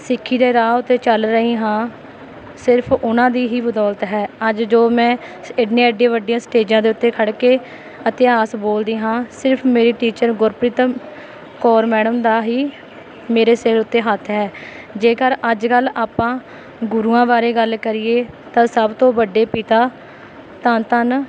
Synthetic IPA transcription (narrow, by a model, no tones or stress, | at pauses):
sɪkʰːiːd̪eːɾaːʊt̪ːeːt͡ʃəlɾəɦiːɦãː | sɪɾpʰʊnãːd̪iːɦiːbəd̪ɔːlt̪ɦɛːəd͡ʒd͡ʒoːmɛ̃ː | ɪɖnẽːəɖẽːʋəɖɪjãːsʈeːd͡ʒãːd̪eːʊt̪ːeːkʰəɽkeː | ət̪ɪaːsboːld̪iːɦãːsɪɾpʰmeːɾiːʈiːt͡ʃəɾɡʊɾpɾɪt̪ | kɔːɾmɛːɽəmd̪aːɦiː | meːɾeːseɾʊt̪ːeːɦət̪ʰːɦɛː | d͡ʒeːkəɾʔəd͡ʒkəlːaːpãː | ɡʊɾuːãːbaːɾeːɡəlkəɾiːeːt̪ãːsəbt̪õːbəɖːeːpiːt̪aː | t̪ãːt̪ən